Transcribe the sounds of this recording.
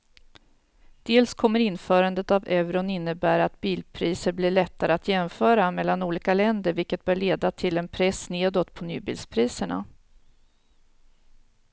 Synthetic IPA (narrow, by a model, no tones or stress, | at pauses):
d̪̥eːlskʰɔmːəɾɪnːfœːɾand̪ət̪avɛvɾʊnɪnːəbæːɾat̪biːlpʰɾiːsəɾblɪɭɛt̪ːaɾəat̪jɛmfœːɾamɛlːanuːliːkalɛnd̪əɾvɪlkət̪̚bœːɭeːd̪at̪ʰɪlɛnpʰɾɛsneːd̪oːt̪pʰɔnyːbḭlspʰɾiːsəɳa̰